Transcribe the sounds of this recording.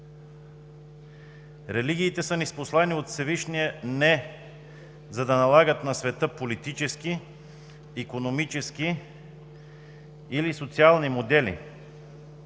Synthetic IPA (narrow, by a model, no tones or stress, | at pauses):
ɾɛliɡ̟ʲiːt̪ɛsənisposlˠaniot̪sɛviʃniɛnɛ | zɐd̪ɐnɐlˠaɡət̪nɐsvɛt̪əpolit̪it͡ʃɛskiː | konomit͡ʃɛski | ilisot̪sialˠnimod̪ɛlḭ